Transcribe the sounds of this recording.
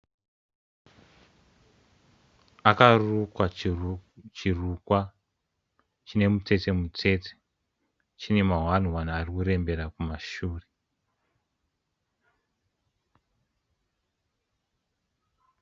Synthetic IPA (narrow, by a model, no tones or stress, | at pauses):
akarukwa | t͡ʃirukwa | t͡ʃine̞mut͡se̞te̞mut͡se̞te̥ | t͡ʃinemaɦwan̤uwan̤uarikure̞mbe̞ɾakumaʃuːre